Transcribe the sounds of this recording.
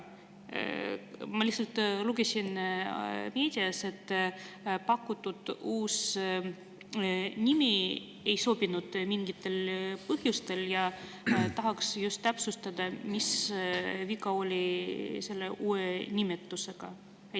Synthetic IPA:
mɑlihsɑlt̪luɡe̞sʲin | me̞ːd̪̥ʲiɑse̞t̪ː | pɑkːut̪ːud̪̥uːs | nʲimi | e̞jso̞b̥inud̪̥miŋɡ̥it̪ːˑe̞lpɤɦjust̪e̞ljɑ | t̪ɑɦɑksjust̪ːæpsust̪ɑd̪ɑmis | vikɑo̞lʲise̞lːe̞ʔuːenʲimet̪ːˑuse̞ɡ̥ɑ̰

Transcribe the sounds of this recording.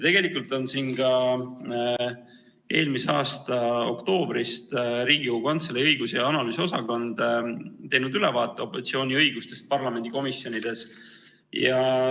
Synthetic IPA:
t̪e̞ɡ̥e̞likˑult̪ˑo̞nsiːnkɑ | ʔe̞ːlmiseɑːst̪ɑo̞kt̪o̞ːbɾist̪ɾiːɡ̥iukɑnt̪seleɤjɡ̥usejɑɑnɑlyːsosɑko̞nd̪̥t̪e̞jnud̪ylɛvɑːt̪ːˑeo̞pːˑo̞sit̪sio̞ːnʲiɤjɡ̥ust̪e̞st̪̚pɑrlɑme̞nd̪iko̞misjo̞nid̪̥e̞s | jɑ

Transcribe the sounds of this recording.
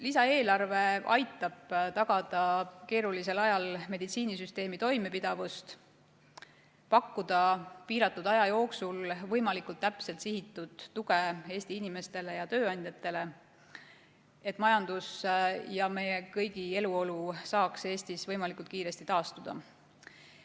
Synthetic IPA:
lisɑe̞ːlɑrve̞ɑjt̪ːˑɑb̥t̪ɑɡ̥ɑd̪̥ɑke̞ːɾulise̞lɑjɑlme̞d̪̥it̪siːnisyst̪e̞ːmit̪o̞jmepid̪̥ɑvust̪ | pɑkːud̪̥ɑpiːɾɑt̪ːˑud̪ɑjɑjo̞ːksulvɤjmɑlikult̪ːæpse̞lt̪sihit̪ːˑud̪̥ːuɡee̞ːst̪iinime̞st̪e̞le̞jɑt̪ø̞ːɑnʲd̪jɑt̪ːˑe̞le̞ | e̞t̪ːˑmɑjɑnd̪̥usjɑme̞je̞kɤjɡie̞luo̞lusɑːkse̞ːst̪isvɤjmɑlikult̪kiːɾe̞st̪it̪ɑːst̪ud̪̥ɑ̰

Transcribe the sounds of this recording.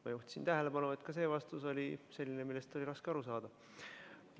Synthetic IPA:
mɑ̰juht̪sint̪æɦele̞pbɑnue̞t̪ˑkɑse̞ːvɑst̪uso̞lʲise̞lʲːinemilːe̞st̪ːˑoliɾɑskeɑɾusɑːd̪̥ɑ

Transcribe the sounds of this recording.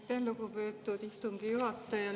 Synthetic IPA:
t̪ːenlukupyːt̪ːut̪ist̪uŋkijuɦɑt̪ːɑjɑ

